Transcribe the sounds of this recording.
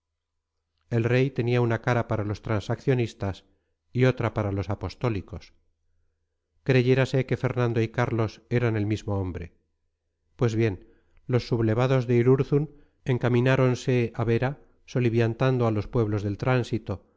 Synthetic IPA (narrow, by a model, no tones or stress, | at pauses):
e̞lre̞jt̪e̞niaunakaɾapaɾalo̞st̪ɾansakθjo̞nist̪as | io̞t̪ɾapaɾalo̞sapo̞st̪o̞liko̞s | kɾe̞ʝe̞ɾase̞ke̞fe̞ɾnãnd̪o̞ikaɾlo̞se̞ɾane̞lmizmo̞o̞mbɾe | pwe̞zβje̞n | lo̞sːuβle̞βaðo̞zðeiɾuɾθun | e̞ŋkamĩnaɾo̞nse̞aβe̞ɾa | so̞liβjant̪and̪oalo̞spwe̞β̞lo̞zðe̞lt̪ɾansit̪o̞